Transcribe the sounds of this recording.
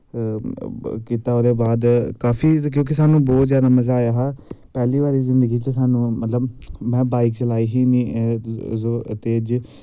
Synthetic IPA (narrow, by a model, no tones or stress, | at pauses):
kiːt̪aːoːd̪eːbaːd̪kaːfʰiːk̬jõːk̬ɪsaːnũːbɔːt̪zjaːd̪aːməzaːjaːɦaːpɛːliːβaːɾiːzɪnd̪əɡiːt͡ʃəsaːnũːmət̪ləbmɛ̃ːbaːɪkt͡ʃəlaːiːɦiːnĩː | zoːt̪eːd͡ʒ